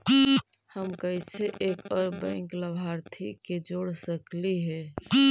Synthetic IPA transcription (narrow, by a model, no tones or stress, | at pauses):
həmkəit͡ʃʰeʔekɔɾbə̃ŋkləbʱaɾt̪ʰiked͡ʒoɽsəkliɦɛ